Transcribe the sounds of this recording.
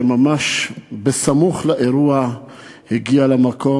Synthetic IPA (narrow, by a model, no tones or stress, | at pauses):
mamaʃbesamuχlaʔeɾua | heɡialamako̞